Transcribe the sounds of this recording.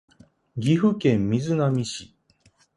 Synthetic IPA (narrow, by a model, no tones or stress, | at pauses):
ɡʲiɸɯ̟kẽ̞mːʲizɨnamʲiɕi